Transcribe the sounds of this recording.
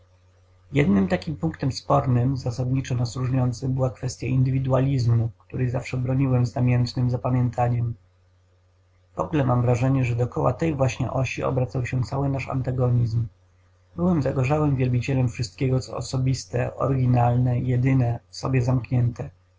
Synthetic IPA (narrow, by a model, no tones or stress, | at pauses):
jɛd̪nɘmt̪akʲimpuŋkt̪ɛmspɔɾnɘmzasad̪ɲit͡ʂɔnasɾuʐɲɔnt̪sɘmbɘwakfɛst̪ʲjaʔind̪ɘvʲid̪ualʲizmukt̪uɾɛjzafʂɛbɾɔɲiwɛmznamʲjɛnt̪nɘmzapamʲjɛnt̪ʰaɲɛm | vɔ̰ɡlɛmamvɾaʐɛɲɛʐɛd̪ɔkɔwa̰t̪ɛjvwaɕɲɛ̰ʔɔɕiɔ̰bɾat̪sawɕɛt̪sawɘnaʂa̰nt̪aɡɔɲizm | bɘwɛmzaɡɔʐawɘmvʲjɛlbʲit͡ɕɛlɛmfʂɘst̪kʲɛɡɔt̪sɔ̰ɔ̰sɔbʲist̪ɛ̰ʔɔ̰ɾɡʲinalnɛjɛd̪ɘnɛfsɔ̰bʲjɛzamkɲɛnt̪ʰɛ